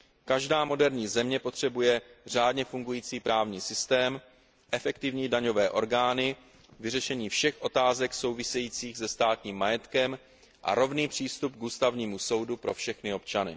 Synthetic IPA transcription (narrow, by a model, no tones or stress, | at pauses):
kaʒdaːmo̞dɛɾɲiːzɛmɲɛpo̞t̪r̝̥ɛbujɛr̝aːdɲɛfuŋɡujiːt͡siːpɾaːvɲiːsɪst̪ɛːm | ʔɛfɛkt̪ɪvɲiːdaɲo̞vɛːʔo̞̰ɾɡaːnɪ | vɪrɛʃɛɲiːfʃɛxʔo̞t̪aːzɛkso̞wvɪsɛjiːt͡siːɣsɛst̪aːt̪ɲiːmːajɛt̪kɛm | ʔa̰ɾo̞vniːpr̝̥iːst̪up̚ɡuːst̪avɲiːmuso̞wdupɾo̞fʃɛxnɪo̞pt͡ʃanɪ̰